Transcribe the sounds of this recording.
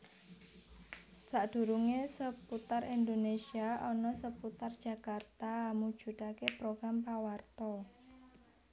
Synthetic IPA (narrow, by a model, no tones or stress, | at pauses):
t͡ʃaʔd̪̥ṳɾuŋesəput̪arind̪onesiaʔɔnɔsəput̪ard̥ʒ̥a̤kart̪amud̥ʒ̥ṳt̪akepɾoɡ̥ɾampawart̪ɔ